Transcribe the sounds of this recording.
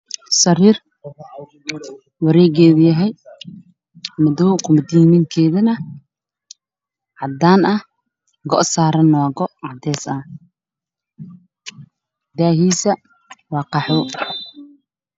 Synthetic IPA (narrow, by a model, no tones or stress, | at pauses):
sɐriːr | wɐɾɛːɡɛːðjɐɦɛj | mʊdɔwkʊmd̪iːmɪŋkʰɛːðɐnɐ | ʕɑd̪aːnʔɐh | ɡɔʔsaːɾɐnːwaɡɔʔʕɑd̪ɛːsɐaː | d̪aːɦiːsɐ | wɑːqɑħɔ